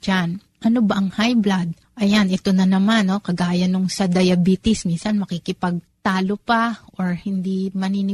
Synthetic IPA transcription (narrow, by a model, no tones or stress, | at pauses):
d͡ʒan | ʔɐno̞bɐʔɐŋhajblad̪̚ | ʔɐjanʔɛt̪o̞nɐnɐmanːo̞kɐɡaːjɐnoŋsɐd̪ɐjɐbiːt̪ɪsminsɐnmɐkikɪpɐɡ̚t̪aːlopɐʔoɹhɪnd̪imɐniːnɪ